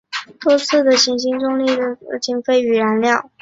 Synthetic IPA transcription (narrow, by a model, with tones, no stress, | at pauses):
t̪wɔ˥t͡sʰɹ̩˥˩d̪ə˨ɕi˧˩ŋɕi˥nʈ͡ʂʊ˥˧ŋli˥˩d̪ə˩˧˩t͡ɕi˨˩nfe˥˩ɪy˨˩ɻa˧˥nljɑ˥˩ʊ